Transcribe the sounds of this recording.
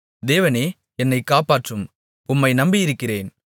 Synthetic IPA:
d̪eːʋɐneː | ɛnːɐɪkːaːpaːʈrɯm | ʊmːɐɪnɐmbɪjɪɾɯkːɪreːn

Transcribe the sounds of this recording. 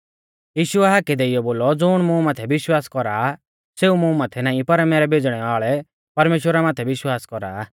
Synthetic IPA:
jiːʃʊɛɦaːkɛd̪eɪjɔboːlɔd͡zʊɽ̃mũmaːt̪ʰɛʋɪʃwaːskɔɾaː | seːumʊ̃maːt̪ʰɛnaːĩpɐɾɛmɛːɾɛbʱed͡zɽ̃ɛʋaːɭɛ | pɐɾmeːʃwəɾamaːt̪ʰɛʋɪʃwaːskɔɾaː

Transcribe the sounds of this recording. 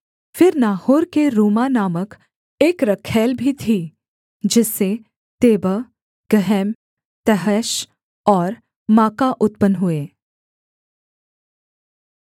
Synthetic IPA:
fɪɾnaːhoːɾkeɾuːmanaːmək | eːkɾɐkʰːɛːlbʱit̪ʰi | d͡ʒɪse | t̪eːbə | ɡ̥əɦɛm | t̪ɛɦɛʃ | ɔːɾ | maːkaʔʊt̪̚pənɦʊeː

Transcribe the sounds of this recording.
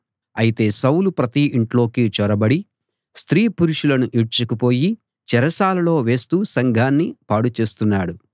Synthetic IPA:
ɐjit̪e̞ːsɐwlupɾɐt̪iʔiɳʈlo̞ːkiːt͡ʃɔɾɐbɐɽi | st̪ɾiːpuɾuʂulɐnuʔiʈt͡ʃɐkupo̞ːji | t͡ʃɛɾɐsaːlɐlo̞ːʋe̞ːst̪uːsɐŋɡʱaːnːipaːɽut͡ʃe̞ːst̪unːaːɽu

